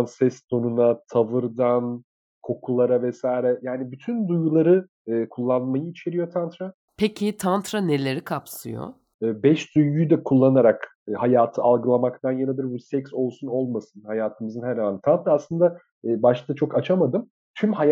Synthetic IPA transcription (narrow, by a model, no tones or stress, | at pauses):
nsɛst̪ʰonunat̪ʰavɯɾd̪an | kʰo̞kʰulˠaɾavɛsajɾɛjaːnibyt̪ʰynd̪ujɡulˠaɾɯ | ɯːkʰulˠːanmajɯit͡ʃʰe̞ɾijo̞t̪ʰant̪ɾa | pʰecʰɪt̪ʰant̪ɾane̞lʲe̞ɾikʰapsɯ̰jo̰ | ɯːbɛʃd̪ujɡyjd̪ɛkʰulˠːanaɾakː | hajaːt̪ʰɯalˠɡɯlˠamakt̪ʰanjanɯb̪iɾbusɛcso̞lˠsuno̞lˠmasɯnhajaːt̪ʰɯmɯzɯnɦɛɾhaant̪ʰant̪ɾaːslˠɯnd̪aː | baʃt̪at͡ʃʰo̞kat͡ʃʰamad̪ɯm | t̪ʰymha